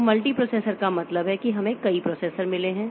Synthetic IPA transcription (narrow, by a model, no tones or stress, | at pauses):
mɐlʈipɾoːseːsəɾkamɐt̪ləbɦɛkiɦɐmẽkɐipɾoːseːsəɾmɪleɦɛ̃ː